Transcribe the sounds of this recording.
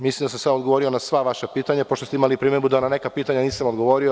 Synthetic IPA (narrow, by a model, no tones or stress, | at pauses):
mislimd̪asamsad̪aoɡoʋo̞ɾio̞nasʋaʋaʃapiːt̪aɲapo̞ʃt̪ost̪eimalipɾiːmed̪bud̪anane̞kapiːt̪aɲaniːsamod̪ɡo̞ʋo̞ːɾio